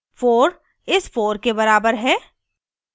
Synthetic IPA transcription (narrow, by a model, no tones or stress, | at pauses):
foːɾ | ɪsfoːɾkebɐɾaːbəɾɦɛː